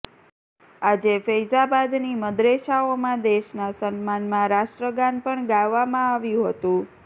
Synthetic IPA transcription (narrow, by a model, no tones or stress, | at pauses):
ad͡ʒefəjzabad̪niməd̪ɾeʃaomãd̪eʃnasənmanmãɾaʃʈɾəɡanpəɳɡaʋːamãaʋjũɦət̪ũ